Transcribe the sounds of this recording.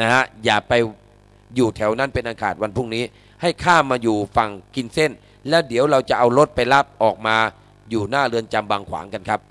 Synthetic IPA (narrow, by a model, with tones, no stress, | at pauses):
na˦˥ha˦˥jaː˨˩k̚pa˧j | juː˨˩t̪ʰɛ˩˦wna˥˩npe˧nʔa˧kʰaː˨˩t̪̚wa˧npʰu˥˩ŋniː˦˥ | ha˥˩jkʰaː˥˩mːaː˧juː˨˩fa˨˩ŋki˧nse˥˩n | lɛː˦˥wdi˨˩˦əwɾa˧wt͡ɕa˨˩ʔa˧wɾo˦˥t̪̚pa˧jla˦˥˩p̚ʔɔː˨˩k̚maː˧ | juː˨˩naː˥˩ɾɯ˧ənt͡ɕa˧mbaː˧ŋkʰwa̰ː˩˦ŋka˧nkʰa˦˥p̚